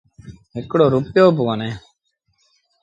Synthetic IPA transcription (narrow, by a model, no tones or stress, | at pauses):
ɦɪkɽoːɾupjoːp̬ʊʋaneː